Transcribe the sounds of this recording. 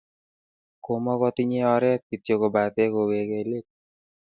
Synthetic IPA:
komɔkɔt̪iɲeɔɾɛt̪̚kit̪jokobat̪ekowekelek̚

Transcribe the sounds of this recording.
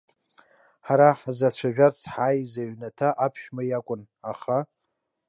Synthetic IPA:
ħaɾaħazat͡ɕʷʰaʒᶣart͡sʰħajzaɥnatʰaʔapʰʃᶣmajakʷʼʊn | aχa

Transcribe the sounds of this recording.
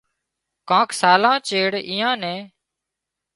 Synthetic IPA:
kãːkʰsaːlãːt͡ʃeːɽiːjãːnɛ̃ː

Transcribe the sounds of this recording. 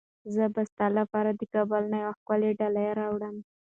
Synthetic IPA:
zəbast̪ɑlapɑɾad̪əkɑbəlnajwaxkwaleɖalajaɾɑwɽəm

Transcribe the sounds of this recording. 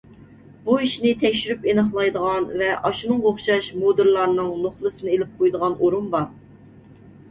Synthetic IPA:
b̥uiʃnɪt̪ʰɛkʲʃyɾypenəχlˠɑjd̪əʁɑnvɛʔɑʃunɨŋʁoχʃɑʃmod̪ɨɾlˠɑɾnɨŋnoχlˠɨsɨnɨelɪp̚qʰojd̪əʁɑnoɾumbɑɾ

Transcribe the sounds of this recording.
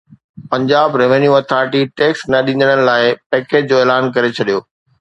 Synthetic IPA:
pɐ̃ɲd͡ʑaːbɾeʋənjuɐt̪ʰaːɾɪʈiʈeːksnɐɗĩːnd̪əɽ̃ənɪ̆laːɪpɛːkeːd͡ʑd͡ʑoːeːlaːnkɐɾet͡ɕʰɐɗijoː

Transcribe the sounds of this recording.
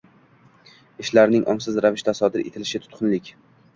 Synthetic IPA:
ɪʃlaɾnɪŋʔɒ̰msɪzɾavɪʃt̪asɒd̪ɪɾḛt̪ʰɪlɪʃɪt̪ʰʊ̥t̪qʰʊnlɪkʲ

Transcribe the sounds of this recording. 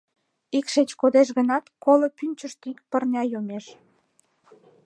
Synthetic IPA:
ikʃet͡ɕkod̪eʃ̬ɣənɑt̪kolopynʲt͡ɕəʃt̪ikpərnʲɑjomeʃ

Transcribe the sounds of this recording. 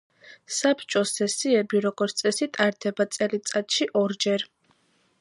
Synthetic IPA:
sapʰt͡ʃʼɔsɛsiɛbiɾɔɡɔɾt̪t̪sʼɛsit̪ʼaɾd̪ɛbat̪sʼɛlit̪sʼat̪ʼʃiʔɔɾd͡ʒɛɾ

